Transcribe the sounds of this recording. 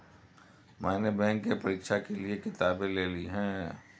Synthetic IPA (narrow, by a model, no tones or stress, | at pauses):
maːnebɛ̃ːŋkːepəɾiːkʃakeliekɪt̪aːbẽleːliɦɛ̃ː